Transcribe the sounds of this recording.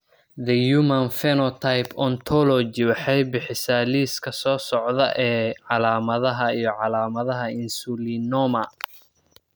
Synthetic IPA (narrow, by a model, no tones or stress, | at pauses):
ðɐjumɐnfɛnɔt̪ʰajpʰɔnt̪ʰɔlɔd͡ʒɪwɑħɛjbɪħɪsaːliːskʰɐsɔːsɔʕðɐ̰ʔɛːʕɑlaːmɐðɐɦɐijɔʕɑlaːmɐðɐɦɐɪnsulinɔmɐ